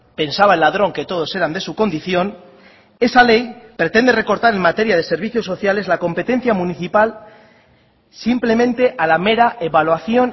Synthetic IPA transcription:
pe̞nsaβ̞aenlað̞ɾo̞ŋket̪o̞ð̞o̞se̞ɾand̪e̞suko̞nd̪iθjo̞n | e̞sale̞jpɾe̞t̪e̞nd̪e̞re̞ko̞ɾt̪aɾe̞mat̪e̞ɾjað̞e̞se̞ɾβ̞iθjo̞sːo̞θjale̞zlako̞mpe̞t̪e̞n̟θjamuniθipal | simple̞mẽ̞nt̪e̞ʔalame̞ɾaʔe̞βalwaθjo̞n

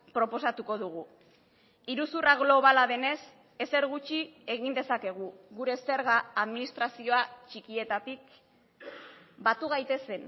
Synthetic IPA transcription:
pɾo̞po̞sat̪uko̞ðuɣ̞u | iɾusuraɣlo̞β̞alaðe̞ne̞s | e̞se̞ɾɣut͡ʃie̞ɣind̪e̞sake̞ɣ̞uɣuɾe̞seɾɣaːðminist̪ɾasio̞at͡ʃikie̞t̪at̪ik | bat̪uɣajt̪e̞se̞n

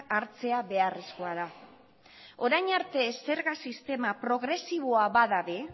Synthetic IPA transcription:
aɾt͡se̞aβe̞aresko̞aða | o̞ɾajɲaɾt̪e̞se̞ɾɣasist̪e̞mapɾo̞ɣ̞ɾe̞siβ̞oaβaðaβe

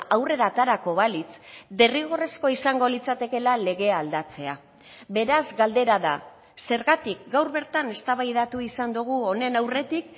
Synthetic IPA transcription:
ʔawre̞ɾat̪aɾako̞βalit͡sd̪e̞riɣ̞o̞resko̞isaŋɡo̞lit͡sat̪e̞ke̞lale̞ɣ̞e̞aːld̪at͡se̞a | βe̞ɾazɡald̪e̞ɾaða̰ | se̞ɾɣat̪ikɡawɾβe̞ɾt̪ane̞st̪aβajðat̪uisand̪uɣ̞uo̞ne̞nawre̞t̪ik

